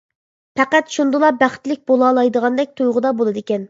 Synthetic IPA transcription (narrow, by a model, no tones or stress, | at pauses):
pʰɛqæt̪ʃund̪ɨlˠɑbæχt̪lɪk̚ʲbolˠɑːlˠɑjd̪əʁɑnd̪ɛk̚ʲt̪ʰujʁʊd̪ɑbolˠɨd̪ɨekʲɛn